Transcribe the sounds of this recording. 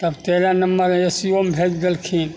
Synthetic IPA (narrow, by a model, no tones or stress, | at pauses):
t̪əbt̪eɾanəmbəɾesiombʱet͡ʃɡelkʰin